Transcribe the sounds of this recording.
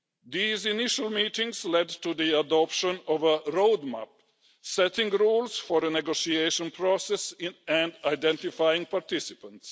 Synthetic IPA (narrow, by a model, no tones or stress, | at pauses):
ðiːzɪnɪʃəlˠmitɪ̃ŋzlɛd̚tuðiədɔpʃə̃nɔvəɹoʊdmæ̰p̚ | sɛtɪ̃ŋɹuːlˠz̥fɔɾənɛɡoʊsieɪʃə̃npʰɹɔsɛsɪ̃ɨ̃ndaɪdɛ̃ntɪfaɪɪ̃ŋpʰaɾtɪsɪpə̃nts